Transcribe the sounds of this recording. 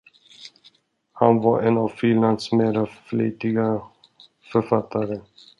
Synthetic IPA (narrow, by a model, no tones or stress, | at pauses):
ha̰nvaɾʔɛnavfɪnland̪smeːɾaflḭːt̪ɪɡa | fœɾfat̪ʰːaɾə